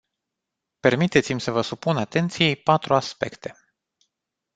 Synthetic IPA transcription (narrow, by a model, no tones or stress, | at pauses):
pe̞rmit̪e̞t̪simʲsəvəsupunat̪e̞nt̪sijepat̪ɾuaspe̞̰kt̪e̞̥